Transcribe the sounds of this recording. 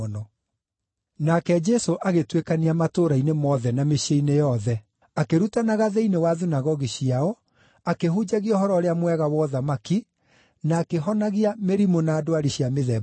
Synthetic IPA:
ɔnɔ | nakɛd͡ʒɛsoʔaɣetwekaniamatoɾainemɔðɛnameɕeinejɔðɛ | akeɾutanaɣaðeinewaðinaɣɔɣiɕiaɔ | akeɦud͡ʑaɣiɔhɔɾɔɾeamwɛɣawɔðamaki | naːkeɦɔnaɣiameɾimonaːdoaɾiɕiameðɛ

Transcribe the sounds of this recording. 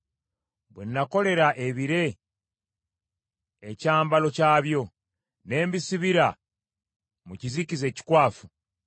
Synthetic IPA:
βwenːako̞le̞ɾaʔe̞βiɾe̞ | ecaːmbalo̞caːβjo̞ | ne̞ːmbisiβiɾa | mucizicize̞ːci̥kwaːfu

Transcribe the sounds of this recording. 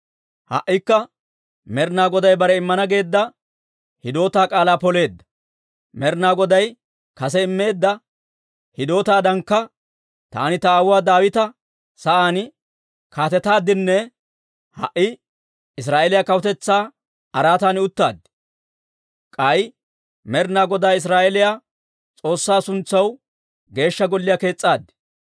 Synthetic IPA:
hɐ̰ʔːɪkːɐ | mɛɾnaːɡɔd̪ɐjbɐɾɛɪmːɐnɐɡe̞ːd̪ːɐ | hɪd̪o̞ːt̪aːkʼaːlaːpɔle̞ːd̪ːɐ̥ | mɛɾnaːɡɔd̪ɐj | kɐs̬ɛɪmːe̞ːd̪ːɐ | hɪd̪o̞ːt̪aːd̪ɐŋkːɐ | t̪a̰ːnɪt̪ɐːwaːd̪aːwɪt̪ɐ | sɐʔaːn | kʰaːt̪ɛt̪aːd̪ɪnːɛ | hɐ̰ʔːɪ | ɪs̬ɾaːʔelɪjaːkɐwʊt̪ɛt͡sːaː | ɐɾaːt̪aːnɪʊt̪ːa̰ːd̪ | kʼɐj | mɛɾnaːɡɔd̪aːɪs̬ɾaːʔɛlɪjaː | t͡sʼo̞ːsːaːsʊnt͡sːɐw | ɡe̞ːʃːɐɡɔlːɪjake̞ːt͡sʼːaːd̪ɪ̥

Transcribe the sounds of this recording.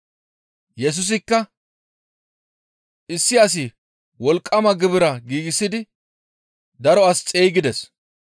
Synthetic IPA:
jɛs̬ʊs̬ɪkːɐ | ʔɪsːɪɐs̬ɪ | wɔlkʼːɐmɐɡɪbɪɾɐɡiːɡɪsːɪd̪ɪ | d̪ɐɾɔɐst͡sʼeːjɡɪd̪ɛs

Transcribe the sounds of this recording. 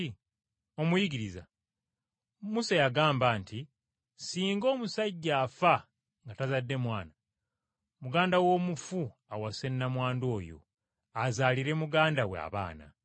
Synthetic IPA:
i | o̞mujiɡiɾiza̰ | musajaɡaːmbaːnti | siːŋɡo̞ːmusaɟːaːfa | ŋɡatazadːe̞mwaːna | muɡaːndawo̞ːmufuawase̞nːamwaːndo̞ːjo̞̰ | azaːliɾe̞muɡaːndawḛa̰βa̰ːna̰

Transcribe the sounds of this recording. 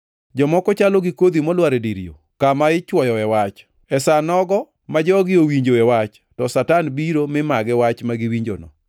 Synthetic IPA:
d͡ʒɔmɔkɔt͡ʃalɔɡɪkod̪imɔlwaɾediɾḭo̰ | kamaɪt͡ʃwɔjɔɛwat͡ʃ | ɛsanɔɡɔ | mad͡ʒɔɡɪowiɲd͡ʒoɛwat͡ʃ | tɔsatanbiɾomɪmaɡɛwat͡ʃmaɡɪwiɲd͡ʒo̰nɔ̰

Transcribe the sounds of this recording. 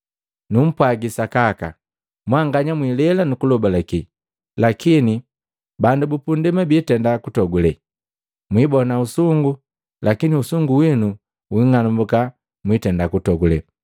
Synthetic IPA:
num̩pwaɡisakaka̰ | mwaŋɡaɲamwilɛlanukulɔbalaki | lakini | bandubupundimɛbitɛndakutɔɡulɛ | mwibɔnausuŋɡu | lakiniusuŋɡuwinu | wiŋanumbuka | mwitɛndakutɔɡulɛ

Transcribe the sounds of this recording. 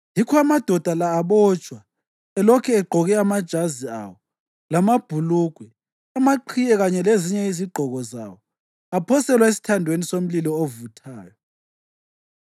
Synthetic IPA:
jikʰɔamad̥ʱɔd̥ʱalaːβɔːt͡ʃʼwa | ɛlɔkʰɛɛɡ͡ǃʱɔɣɛamad̥ʒ̥ʱazia̰wɔ | lamab̥ʱuluɡ̥ʱwɛ | amaǃʰijɛɣaɲɛleziɲɛiziɡ͡ǃʱɔɣɔza̰wɔ | apʰɔsɛlwaesi̥tʰandʱwenisom̩lilɔovutʰaːjɔ

